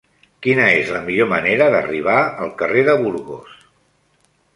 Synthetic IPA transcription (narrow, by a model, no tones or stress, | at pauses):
kinəezləmiʎoməneɾəðə̰riβ̞aəlˠkəreðəβuɾɣo̰s